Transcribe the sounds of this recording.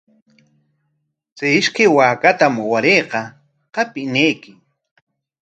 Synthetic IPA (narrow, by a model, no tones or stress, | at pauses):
t͡sajɪʃkajwaːkat̪amʊwaɾejqɑ | qɑpɪnejkɪ